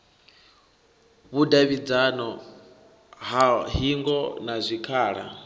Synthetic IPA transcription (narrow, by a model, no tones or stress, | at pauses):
βudaβid͡zanɔ | ɦaɦiŋɡɔnazʷikʰaːɺa̰